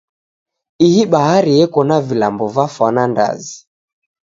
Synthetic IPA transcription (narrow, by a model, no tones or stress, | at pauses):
ihiɓaɦaɾijɛkɔnavilambɔvafwananda̰zi